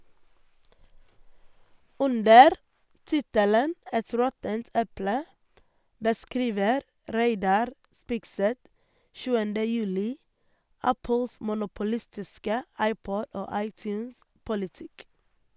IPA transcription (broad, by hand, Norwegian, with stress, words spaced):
ˈʉndəɾ ˈtɪtələn ˈɛt ˈɾɔtənt ˈɛplə bəˈskɾiːʋəɾ ˈɾeɪdɑɾ ˈspɪɡˌsɛt ˈʃʉːəndə ˈjʉːlɪ ˈæpəls mʊnʊpʊˈlɪstɪskə ˈɑɪˌpɔd ˈoː ˈɑɪˌtjʉːnˌspʊlɪˌtɪk